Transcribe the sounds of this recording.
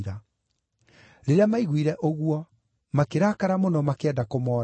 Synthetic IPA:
ɾa | ɾeɾeamaiɣwiɾɛʔoɣwɔ | makeɾakaɾamonɔmakeɛndakomɔːɾ

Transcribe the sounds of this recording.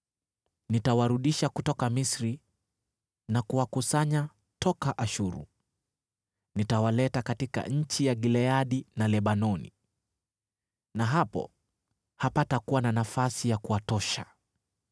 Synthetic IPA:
nitawaɾuɗiʃakutɔkamisɾi | nakuwakusaɲa | tʰɔkaʔaʃuɾṵ | nitawalɛtakatika̰ɲ̩t͡ʃijaɠilɛaɗinalɛɓanɔnḭ | naɦapɔ̰ | hapatakuwananafasijakuwatɔʃa̰

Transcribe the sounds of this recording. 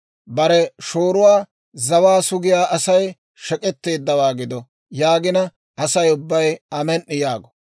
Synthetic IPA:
bɐɾɛʃoːɾʊwaː | zɐwaːsʊɡɪjaːʔɐsɐj | ʃɛkʼɛt̪ːe̞ːd̪ːɐwaːɡɪd̪ɔ | jaːɡɪnɐ | ʔɐsɐjʊbːɐjɐmɛnːɪjaːɡɔ̥

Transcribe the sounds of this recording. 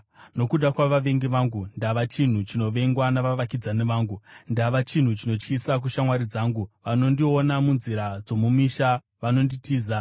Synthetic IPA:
no̞kuɗakwaʋaʋe̞ŋɡeʋaŋɡundaʋat͡ʃin̤ut͡ʃino̞ʋe̞ŋɡwanaʋaʋakid͡zaneʋaːŋɡundaʋat͡ʃin̤ut͡ʃino̞t͡ʃkisak̬uʃamwaɾid͡zaːŋɡuʋano̞ndio̞namunziɾad͡zo̞mumiʃa | ʋano̞nditʰiːza

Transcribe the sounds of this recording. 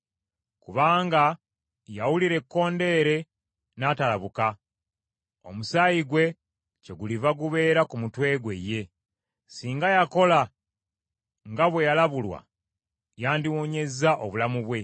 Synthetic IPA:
kuβaːŋɡa | jawuliɾe̞kːo̞ːnde̞ːɾe̞ | natalaβuka | o̞̰musajiɡwe̞ | ce̞ɡulivaɡuβe̞ːɾakumutwe̞ːɡweje̞ | siːŋɡajako̞la | ŋɡaβwe̞jalaβulwa̰ | jaːndiwoɲe̞zaʔo̰βulamuβwe̞

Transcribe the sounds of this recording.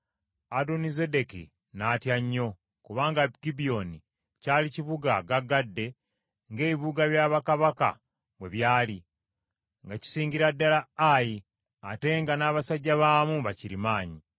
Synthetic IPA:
adonizede̞kḭ | naːtjaɲːo̞ | kuβaːŋɡaɡibio̞ni | caːliciβuɡaɡaɡːadːe̞ | ŋɡe̞ːβiβuɡaβjaːβakaβaka̰ | we̞βjaːli | ŋɡaci̥siːɲɟiɾadːalaːji | ate̞ŋɡanaːβasaɟːaβaːmuβaciɾimaːɲi

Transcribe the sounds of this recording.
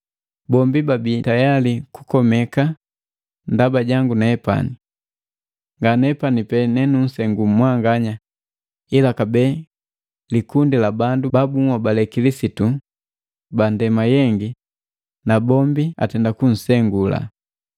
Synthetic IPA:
bɔmbibabitajaliku̥kɔmɛka | ndabaɟaŋɡunaɛpa̰ni | ŋɡanɛpanipɛnɛnun̩sɛŋɡummwaŋɡaɲa | ilakabɛ | likundilabandubabuŋwɔbalɛkilisitu | bandɛmajɛŋɡi | nabɔmbia̰tɛndakun̩sɛŋɡula̰

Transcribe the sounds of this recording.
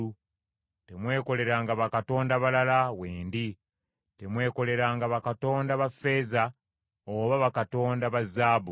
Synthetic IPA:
u | te̞mwe̞ːko̞le̞ɾaŋɡaβakato̞ːndaβalalaweːndi | te̞mwe̞ːko̞le̞ɾaːŋɡaβakato̞ːndaβafːe̞ːza | oβaβakato̞ːndaβazːaːbu

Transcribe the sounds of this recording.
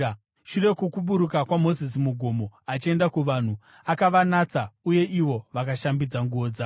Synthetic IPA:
ʃure̞kukuɓuɾukakwamo̞zis̬imuɡʱo̞mo̞at͡ʃie̞ndakuʋan̤u | akaʋanat͡sauje̞ʔiʋo̞ʋakaʃambid͡zaŋɡuoːd͡za

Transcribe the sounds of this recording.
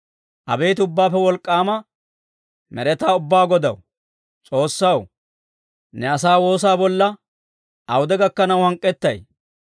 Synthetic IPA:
ʔɐ̰be̞ːt̪ɪʊbːaːpːɛwɔlkʼːaːmɐ | mɛɾɛt̪aːʊbːaːɡɔd̪ɐ̰w | t͡sʼo̞ːsːɐw | nɛɐsaːwo̞ːsaːbɔlːɐ | ʔɐwʊd̪ɛɡɐkːɐnɐwhɐŋkʼːɛt̪ːɐj

